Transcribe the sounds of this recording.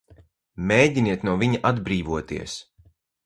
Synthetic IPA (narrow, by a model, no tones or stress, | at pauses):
meːɟiniɛt̪nuɔviɲaʔad̪bɾiːvuɔt̪ḭɛs